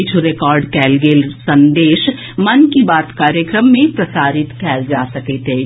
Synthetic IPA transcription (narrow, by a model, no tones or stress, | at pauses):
t͡ʃʰoɾekɔːɾɖkɛːlɡeːlsɐ̃nd̪eːʃ | mɐnkibaːt̪kaːɾjəkɾəmːẽpɾɐsaːɾɪt̪kɛːd͡ʒaːsɐket̪ɦeː